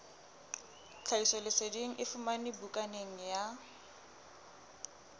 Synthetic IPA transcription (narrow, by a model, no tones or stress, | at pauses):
t͡ɬʰaisɔlɪsediŋ̩ʔɪfʊmanɪbukʼaneŋ̩ja